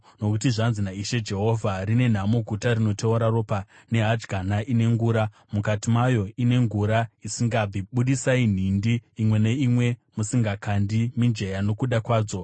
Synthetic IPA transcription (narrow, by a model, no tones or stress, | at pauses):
no̞kutiʐanzinaiʃe̞d͡ʒe̞ɦo̞vʱarine̞n̤amoɡʱutarino̞teoɾaro̞pa | ne̞ɦad͡ʒɡʱanaʔine̞ŋɡuːɾa | mukatimajo̞ine̞ŋɡuɾaisiŋɡabiɓuɗisain̤indiːmwe̞ne̞imwe̞musiŋɡakandimind͡ʒe̞jano̞kuɗakwaːd͡zo̞